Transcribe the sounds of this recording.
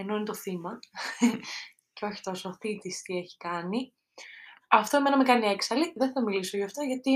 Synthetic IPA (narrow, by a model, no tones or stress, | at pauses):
e̞noinet̪oθimɐ | ceo̞çi̥t̪o̞soθit̪ist̪ie̞çi̥kɐni | ɐft̪oe̞mnɐmekɐnieksɐliðeθɐmiliso̞ʝɐft̪o̞ʝɐt̪i